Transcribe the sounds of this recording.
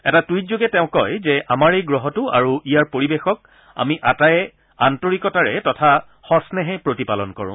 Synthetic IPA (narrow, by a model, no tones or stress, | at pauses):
ɛtatujtzoɡɛtɛʊ̃kɔjzɛʔamaɹejɡɹɔɦɔtʊa̰ɹuʔijaɹpoɹibexɔk̚ | a̰miʔatajɛ | antoɹikɔtaɹɛtɔtʰa | xɔsnɛɦɛpɹotipalɔnkɔ̰ɹʊ̰̃